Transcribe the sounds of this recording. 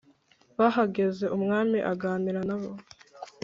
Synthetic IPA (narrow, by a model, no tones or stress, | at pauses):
βaɦaɡe̞ze̞ʔumŋaːmiʔaɡaːmiɾanaβo